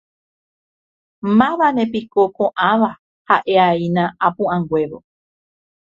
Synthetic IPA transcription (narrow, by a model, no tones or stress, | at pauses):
mãʋanẽ̞pikokõʔãʋa | haʔeainãapũʔãŋɡwe̞ʋo̰